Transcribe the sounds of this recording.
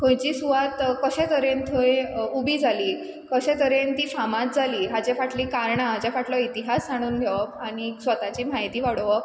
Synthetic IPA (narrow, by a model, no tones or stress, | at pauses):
kʰõjt͡ɕiːsuʋat̪kəɕɛ̃t̪əɾẽnt̪ʰõjubiːd͡zʱaliː | kəɕɛ̃t̪əɾent̪iːfamãt̪̚d͡zʱaliːɦat͡ɕefaʈliːkaɾɳaɦad͡ʑafaʈlɔit̪iɦasːaɽ̃uːnɡʱeʋəaɽ̃isʋət̪at͡ɕiːmaɦjt̪iːʋaɽʋə